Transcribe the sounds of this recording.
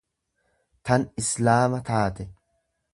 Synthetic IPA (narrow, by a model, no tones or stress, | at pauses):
t̪ɐnɪslaːmɐt̪aːt̪ɛ